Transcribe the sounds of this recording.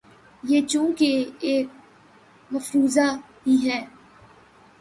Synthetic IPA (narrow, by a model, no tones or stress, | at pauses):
jeːt͡ʃũːkeeːk̚ | məfɾuːzaː | biɦɛː